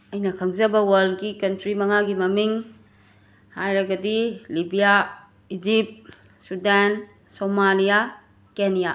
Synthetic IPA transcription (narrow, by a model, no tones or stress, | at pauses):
ɐjnɐkʰɐŋzɐbɐwɐld̚ɡikɐntɾimɐŋaɡimɐmiŋ | hajɾɐɡɐdilibija | id͡ʒip̚t̚ | sudan | somalija | kenija